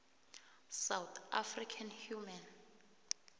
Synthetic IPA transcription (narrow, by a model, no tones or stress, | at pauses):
sawt̪a̰frikʰanhjuman